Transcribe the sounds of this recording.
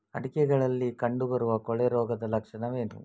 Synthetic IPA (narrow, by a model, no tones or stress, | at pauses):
ɐɽikɛɡɐɭɐlːikɐɳɖubɐɾuʋɐkɔɭɛɾɔːɡɐd̪ɐlɐkʂɐnɐʋe̞ːnṵ